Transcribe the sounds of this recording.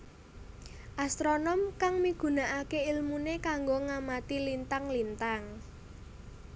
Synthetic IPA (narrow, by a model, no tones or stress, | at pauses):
ʔast̪ɾonɔmkaŋmiɡ̥ṳnaʔakeilmunekaŋɡoŋamat̪ilint̪aŋlint̪aŋ